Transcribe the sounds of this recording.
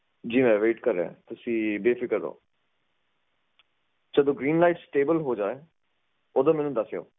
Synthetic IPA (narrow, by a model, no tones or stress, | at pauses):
d͡ʒiːmɛ̃ːʋeːʈkəɾːḛɛ̰̃ːt̪ʊsĩːbeːfʰɪkəɾd̪o̰ː | d͡ʒəd̪õːɡɾiːnlaːiːʈsʈeːbəlɦoːd͡ʒaːeː | oːd̪õːmɛ̃ːnũːd̪əsejo̰ː